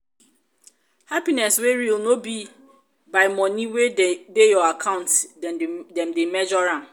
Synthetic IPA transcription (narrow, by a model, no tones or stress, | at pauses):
hapinɛsweɹilnobi | baɪmɔ̃nĩwedejɔakʰãʊ̃ntddɛ̃mdemɛd͡ʒɔɾã